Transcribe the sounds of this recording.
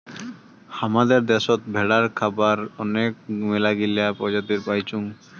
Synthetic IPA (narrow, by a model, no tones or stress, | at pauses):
hamad̪eɾd̪ɛʃot̪̚bʱɛɽaɾkʰabaɾɔnek̚melaɡilapɔd͡ʑat̪iɾpajt͡ɕuŋ